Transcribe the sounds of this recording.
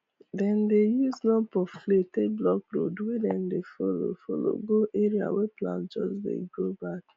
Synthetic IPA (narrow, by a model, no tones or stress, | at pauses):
dɛ̃ndejuznɔpɔfleteblɔkɾo̰dwedɛ̃ndefolo̰folo̰ɡoʔeɾia̰wɛplã̰nd͡ʒɔ̰sdḛɡobak